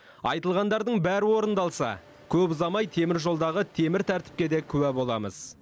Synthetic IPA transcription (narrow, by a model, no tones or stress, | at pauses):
ɑ̰jt̪əlˠʁɑnd̪ɑɾd̪əɴbæɾɪwo̞ɾənd̪ɑlˠsɑ̰ | kʲʰɵpzɑmɑjt̪ʰe̞mɪɾʒo̞lˠd̪ɑʁət̪ʰe̞mɪɾt̪ʰæɾt̪ɪ̥p̚kʲe̞d̪e̞kʲʰʏwæbo̞lˠɑmə̰z̥